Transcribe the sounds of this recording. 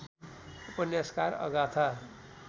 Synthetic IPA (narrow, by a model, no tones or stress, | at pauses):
upʌnjaskaɾʌ̰ɡat̪ʰa